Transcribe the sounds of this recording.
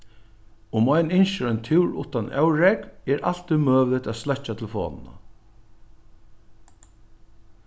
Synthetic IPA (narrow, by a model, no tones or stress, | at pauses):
ʊmɔɪnɪnʃəɾɔjnt̪ʰɪwɹʊ̰ht̪ːanʔɛ̰wɾɛkɛɾʔa̰l̥t̪ɪmøːʋlɪt̪aːðslɛht͡ʃat̪ʰɪlfɔ̰ːnɪ̰na̰